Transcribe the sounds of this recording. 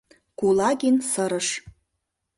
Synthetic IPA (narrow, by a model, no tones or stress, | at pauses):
kulaɡʲinsəɾəʂ